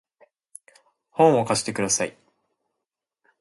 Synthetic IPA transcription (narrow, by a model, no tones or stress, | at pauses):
hõ̞ɰ̃o̞kaɕi̥t̪e̞kɯd̪asaḭ